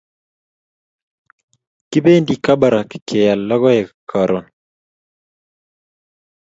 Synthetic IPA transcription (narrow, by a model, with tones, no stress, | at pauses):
ki˦be˦ndi˨ka˦ba˨ɾa˨ki̥˨kʰe˨ja˨lːɔ˦ɣɔ˦jɛ˨kkʰa˨ɾɔ˨n